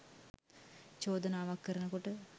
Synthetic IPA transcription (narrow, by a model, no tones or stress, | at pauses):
t͡ɕoːd̪ɐnaːʋakːɐɾɐnəkoʈə